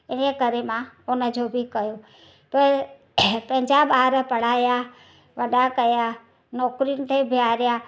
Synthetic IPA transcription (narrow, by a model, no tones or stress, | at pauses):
enekəɾemãonəd͡ʒobʱikəjo | pə | pə̃ɦɪ̃d͡ʒaɓaːɾəpəɽ̤aːja | ʋəɗakəja | nɔːkɾinɪt̪ʰebʱjaɾja